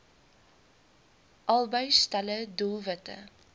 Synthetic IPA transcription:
ʔɐlˠbəɥstɐlədulˠvətə̰

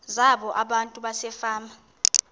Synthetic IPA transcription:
zaɓɔʔaɓantʼuɓasɛfaːma

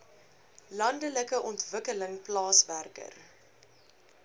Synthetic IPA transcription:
lɐndələkəʔɔntvəkələŋplɑːsværkə̰r

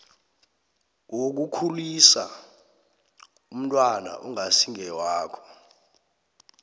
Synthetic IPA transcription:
wok̬ukʰulisa̰ | um̩tʼwana̰ʔuŋasiŋɛwaːkʰɔ̥

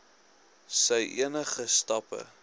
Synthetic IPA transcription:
səjʔiənəχəstɐpə̰

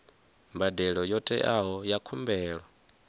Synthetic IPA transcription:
mbadɛɺɔjɔtʼɛ̰ʔaɦɔjakʰumbɛːɺwa

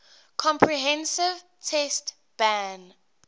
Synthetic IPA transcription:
kʰɔ̃mpʰɹiɦɛ̃nsɪv | tʰɛst | b̥æ̃n

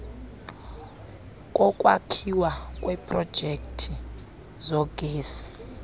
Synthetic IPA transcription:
kʼɔkʼwa̰kʰiwakʼwɛpʰʼrɔd̥ʒ̥ʱektʰi | zɔɡ̥ʱeːsi̥

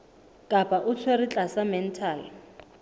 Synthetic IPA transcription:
kʼapʼaʔʊt͡sʰwerit͡ɬʼasamɛn̩tʰaːl

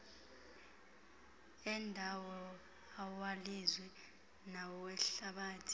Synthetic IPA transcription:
ɛndʱawɔ | awalizwi | nawɛɬaɓaːtʰi̥

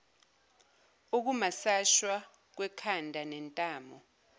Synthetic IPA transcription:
uk̬umasaʃwa | k̬wɛkʰandʱanɛntʼaːmɔ

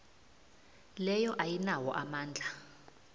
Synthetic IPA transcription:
lɛjɔʔajinawɔʔamaːnd͡ɮʱa

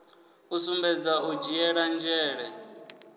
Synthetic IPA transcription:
usumbɛd͡zaud͡ʒiɛɺand͡ʒɛːɺɛ

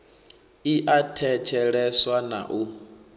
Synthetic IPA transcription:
iʔatʰɛt͡ʃʰɛɺɛswana̰ʔu

